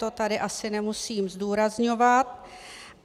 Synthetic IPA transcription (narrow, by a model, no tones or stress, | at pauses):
o̞t̪adɪʔasɪnɛmusiːmzduːɾazɲo̞vat̪̚